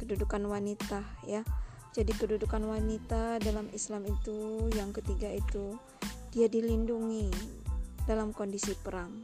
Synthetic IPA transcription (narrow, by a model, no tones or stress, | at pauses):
kədudukanwanit̪aja | d͡ʒadikədudukanwanit̪adalamislamit̪ujaŋkət̪iɡait̪u | d̥iadilinduŋi | dalamkondisipəɾaŋ